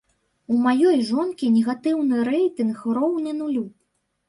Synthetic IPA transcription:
umajɔjʐɔnkʲinʲɛɣat̪ɨwnɨɾɛjt̪ɨnxrɔwnɨnulʲu

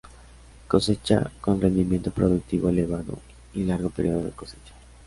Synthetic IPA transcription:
koset͡ʃa̰konrend̪imjent̪opɾoðuk̚t̪iβoeleβaðo̰ | ilaɾɣopeɾḭoðoðḛkoset͡ʃḁ

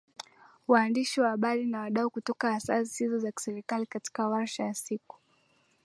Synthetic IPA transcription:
waːndiʃiwaaɓaɾinawaɗaukutɔkaːsa̰si̥hizɔzaki̥sɛɾikalikati̥kawaɾʃajasiku̥

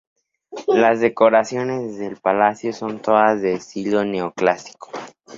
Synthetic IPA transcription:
lazðe̞ko̞ɾasjo̞ne̞zðe̞lpalasjo̞so̞nt̪o̞ðazðeːsilo̞ne̞oklasi̥ko̥

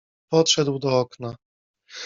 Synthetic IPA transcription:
pɔt̪ʂɛd̪wd̪ɔɔkna

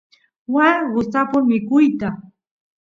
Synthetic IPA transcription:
waɢʊsapʊmɪkʊjt̪a

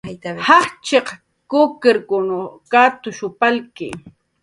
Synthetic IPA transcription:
haχt͡ʃeq | kʊkɪɾkʊnokat̪ʊʃʊpalkɪ̰

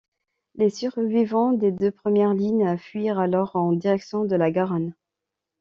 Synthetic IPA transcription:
lesyʁvivɑ̃d̪ed̪øpχəmjɛʁliɲafɥiʁalɔʁɑ̃d̪iʁɛksjɔ̃d̪əlaɡaʁan

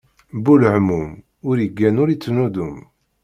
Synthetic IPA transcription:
bulʕmum | ʊɾəɡːænʊɾit͡sːnud̪um

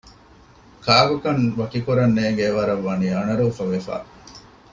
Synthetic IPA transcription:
kaːʋɐkɐnʋɐkikoɾɐnːeːɡeʋɐɾɐʋːɐniːɐnɐɾuːfɐʋefa̰ː

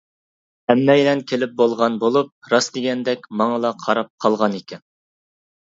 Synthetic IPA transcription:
ɛmːɛjlɛnkʲʰelɪp̚bolˠʁɑnbolˠup̚ɾɑsd̪ɪɡʲɛnd̪ɛkʲmɑŋəlˠɑqʰɑɾɑp̚qʰɑlˠʁɑnekʲʰɛn

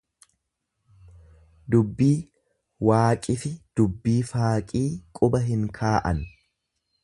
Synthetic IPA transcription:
d̪ʊbːiː | waːkʼɪfɪd̪̥ʊbːiːfaːkʼiːkʼʊbɐɦɪŋkʰaːʔɐn

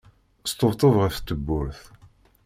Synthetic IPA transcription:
st̪ot̪ˤəvʁəft̪ːəbːʊɾθ

